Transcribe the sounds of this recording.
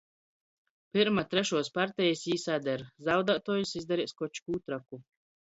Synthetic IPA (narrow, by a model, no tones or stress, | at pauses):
piɾmat̪ɾɛʃuɔspaɾt̪ɛjisiːsad̪ʲɛɾzawd̪aːt̪ɔːjusizd̪aɾiɛskɔt͡ʃkuːt̪ɾaku